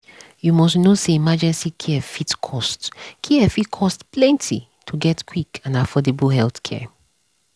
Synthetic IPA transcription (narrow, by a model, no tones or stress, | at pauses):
jumɔsnoseimad͡ʒɛ̃nsikʰiɛfitkʰɔstkʰiɛfitkʰɔstplɛ̃ntʰi | tʰuɡɛtkʰwikʰãnafɔdebəlɦɛlˠθkʰɛ̰